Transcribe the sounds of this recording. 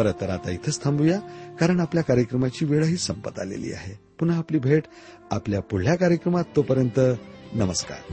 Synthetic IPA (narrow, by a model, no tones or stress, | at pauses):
əɾət̪ːəɾat̪ait̪ʰəst̪ʰambujakaɾəɳ̃apljakaɾjəkɾəmat͡ɕiːʋeɭəɦiːsəmpət̪a̰lḛlḭːa̰ɦe | punaːpliːbʱeʈ | apljapuɽljakaɾjəkɾəmat̪ːopəɾjənt̪ənəməska̰ɾ